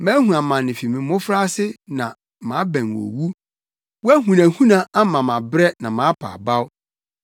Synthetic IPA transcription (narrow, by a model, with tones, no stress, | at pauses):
mæ̃ː˦ɦũ˨ã˨mã˨nɪ̃˨fi˨mɪ̃˨mʊ̃˦fɾa˦sɪ˦nã˨ | mã˨˦bæ̃˨n˨o̰˨wu˦ | wɔ˦æ˦hũ˨næ̃˨hũ˦nã˨a˦mã˨mã˨bɾɛ˦nã˨mãː˨˦pʰa̰ː˨ba˦w